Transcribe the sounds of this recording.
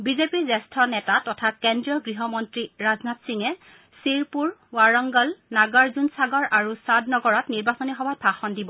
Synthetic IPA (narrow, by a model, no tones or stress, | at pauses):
bizepiɹzɛstʰɔnɛtatɔtʰakɛndɹijɔɡɹiɦɔmɔntɹiɹaznatsiŋɛ | siɹpuɹwaɹɔŋɡɔlnaɡɔɹzunsaɡɔɹʔaɹusadnɔɡɔɹɔtniɹbasɔnixɔbʱapʰaxɔndibɔ